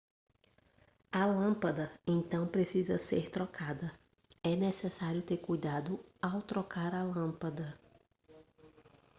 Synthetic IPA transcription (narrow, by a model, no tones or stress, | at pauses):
ɐlɐ̃pɐd̪ɐẽnt̪ɐ̃w̃pɾesizɐseɾt̪ɾɔkʰad̪ɐ | ɛnɛsɛsaɾjʊt̪eɾkujd̪ad̪ʊawt̪ɾɔkaɾɐlɐ̃pɐd̪ɐ